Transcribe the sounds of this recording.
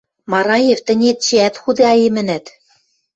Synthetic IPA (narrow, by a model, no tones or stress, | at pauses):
mɑɾɑjeft̪ɘ̆nʲet̪̚t͡ɕɘæt̪xud̪eɑjemɘ̆næt̪